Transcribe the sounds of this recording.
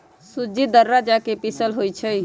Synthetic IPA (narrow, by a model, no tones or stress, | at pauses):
sud͡ʒid̪əɾːad͡ʒakepisəlɦojt͡ʃʰəj